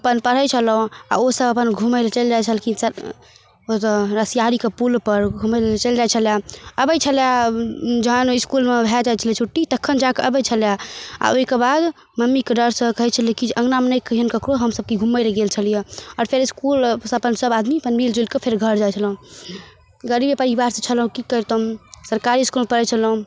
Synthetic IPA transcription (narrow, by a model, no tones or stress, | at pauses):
əpənpəɾ̤ət͡ʃʰəlũa̰osəbəpənɡʱuməlt͡ʃəld͡ʒajt͡ʃʰəlkis | ot̪ɾəsijaɾikepulpəɾɡʱuməlt͡ʃəld͡ʒajt͡ʃʰəljaəbəjt͡ʃʰəlja | d͡ʒəɦəniskulmebʱɛd͡ʒajt͡ʃʰələt͡ʃʰuʈːit̪əkʰːənd͡ʒakeʔəbəjt͡ʃʰəljaa̰oikebad̪ | məmːikeɖəɾsəkəɦɛt͡ʃʰəlekid͡ʒeʔəŋɡnamnəjkəɦənkəkɾoɦəmsəb̚kiɡʱuməjleɡelt͡ʃʰəlijeɔːɾpʰeɾiskulsəpənsəbad̪mipənmild͡ʒolkepʰeɾɡʱəɾd͡ʒajt͡ʃʰəlɦũ | ɡəɾibepəɾibaɾsə̃t͡ʃʰəlɦũkikət̪əũsəɾkaɾiiskulmepəɾɛt͡ʃʰəlɦũ